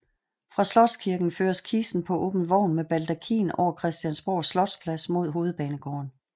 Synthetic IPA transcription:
fʁɑ̈slɒ̽d̥skʰiɐɡ̥n̩føːɐskʰisn̩pʰɒ̽ʔoːb̥n̩ʋɒʊnmeb̥æld̥ækʰḭːnɒ̰ʊ̰ɐkʰʁɛsd̥jænsb̥o̝̰ːslɒ̽d̥spʰlæsmo̝ð̞̰ˠɦo̝ːð̞̩ˠb̥ɛːnəɡ̥ɒːɐn

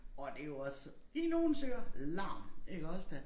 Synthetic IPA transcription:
ɒ̽d̥e̝jo̝ɒs | ino̝ːn̩søːɐlɑ̈ʊ̰me̝ɡ̥əɒsd̥æ

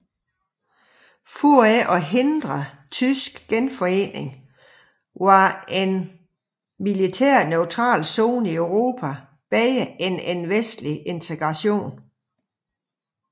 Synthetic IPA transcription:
fuɐ̰æʔɒ̽ɦe̝nd̥ʁɐ | t͡sʰysɡ̥ɡ̥enfɒ̽e̝̰ːne̝ŋ | ʋɑ̈e̝n | milit͡sʰæɐ̰nøʊt͡sʰʁɑ̰̈ːlso̝̰ːniøʊʁo̝ːpʰæ | b̥ɛɪene̝nʋesd̥liʔe̝nt͡sʰeɡ̥ʁɑ̈ɕo̝̰ːn

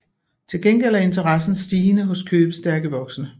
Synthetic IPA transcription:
t͡sʰe̝lɡ̥enɡ̥el̰æɐe̝nt͡sʰɐʁɑ̈sn̩sd̥iːnəɦɔ̽skʰøːb̥əsd̥æɐɡ̥əʋɒ̽ɡ̥snə

